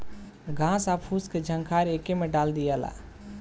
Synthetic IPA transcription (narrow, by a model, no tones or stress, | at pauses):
ɡʱãːsapʰusked͡ʒʱəŋkʰaɾekemẽɖaːld̪ijala̰